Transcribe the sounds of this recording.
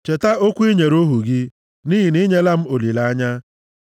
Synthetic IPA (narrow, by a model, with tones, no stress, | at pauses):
t͡ʃe˨ta˦o˦kʷi˦ɲe˨ɾo˦ɦu˨ɡɪ˦ | niː˦ɦi˨ni˦ɲe˦la˦m̩˦o˨li˨la˦a˦ɲa˦